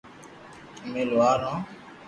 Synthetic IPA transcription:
mẽːlʊaːɾãː

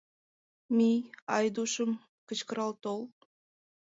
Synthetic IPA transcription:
miɑjd̪uʃəm | kə̆t͡ɕkəɾɑlt̪ol

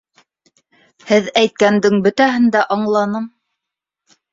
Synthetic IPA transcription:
hɘðæjt̪̚kænd̪ɘŋbɵ̆t̪æɦɘ̆nd̪æʔɑɴlˠɑnɤm

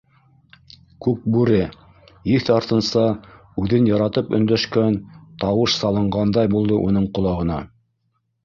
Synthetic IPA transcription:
kʉk̚bʉɾɘ | jiθɑɾt̪ɤ̆nsɑ | ʉðɘnjɑɾɑt̪ɤpɵ̰̆nd̪æʃkænt̪ɑwɤʃsɑlˠɤ̆ɴɢɑnd̪ɑjbulˠd̪ɤʔunɤɴqŏlˠɑʁɤ̆nɑ

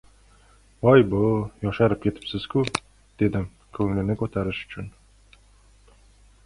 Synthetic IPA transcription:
ɒjbʊjɒʃaɾɪp̚kʲʰe̞t̪ʰɪ̥psɪz̥kʲʰʊ | d̪̥e̞d̪ɪm | kʰɵŋlɪnɪkʰɵt̪ʰaɾɪʃʊ̥t͡ʃʰʊn

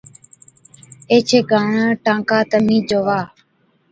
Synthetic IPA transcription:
eːt͡ʃʰeːɡʱaːɳãːʈãːŋkaːt̪əmĩːd͡ʒoːʋaː

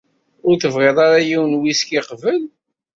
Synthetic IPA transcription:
ʊɾθəvʁɪðˤɑɾajiwnwiskiqvəl

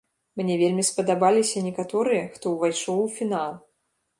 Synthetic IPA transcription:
mnʲɛvʲelʲmʲispɐd̪abalʲisʲɐnʲɛkat̪ɔɾɨjɐxt̪ɔwvajʂɔwwfʲinalˠ

